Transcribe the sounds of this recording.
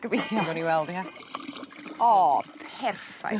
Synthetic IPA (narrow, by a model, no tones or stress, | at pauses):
ɡ̥əbɪθjaɡɛniwɛlˠdha | ɔpʰɛrfa̰